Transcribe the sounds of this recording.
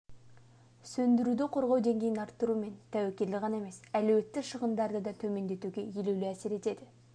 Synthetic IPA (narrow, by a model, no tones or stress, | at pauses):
sɵnd̪ɪɾud̪ɪqʰo̞ɾʁɑwd̪e̞ŋɡʲe̞jɪnɑɾt̪ːəɾume̞nt̪ʰæwekʲe̞ɾlɪʁɑnɑe̞me̞sælɵwe̞t̪ːɪʃəʁənd̪ɑɾd̪əd̪ɑt̪ʰɵme̞nd̪e̞t̪uɡʲe̞jelewlɪæse̞ɾe̞t̪e̞d̪ɪ